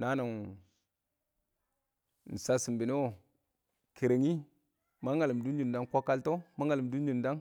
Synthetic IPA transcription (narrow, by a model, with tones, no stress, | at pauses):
na˦na˨ŋ˨ | n̩˨sa˦si˨mbi˨n˦o˦˨ | ke˨ɾe˨ŋi˦ | ma˦ŋa˨li˨mdu˦nd͡ʒu˨nda˦ŋkʷo˦kːa˦lto˦ma˦ŋa˨lm˨du˦nd͡ʒu˨nda˦ŋ